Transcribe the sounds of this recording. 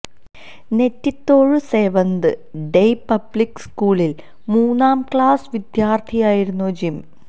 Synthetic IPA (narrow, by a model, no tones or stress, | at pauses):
ne̞tːit̪ːo̞ːɻɨse̞ːʋɐnd̪ɨɖejpɐblikːɨskuːɭil | muːnːaːmkɭaːsɨʋid̪jaːrt̪ʰijaːjiɾunːoːd͡ʑim